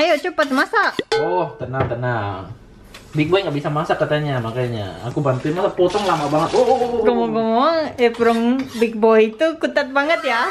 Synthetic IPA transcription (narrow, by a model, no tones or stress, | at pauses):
ajot͡ʃupat̪masaɔht̪ənaŋt̪ənaŋ | bɪk̚bɔjŋɡaʔbisamasakat̪aɲamakajɲa̰a̰kubant̪ʊnmasapot̪ɔŋlamabaŋət̪oɡɔmɔɡɔmoɛpuɾɔŋbɪk̚bɔjt̪ukut̪at̪̚baŋət̪ja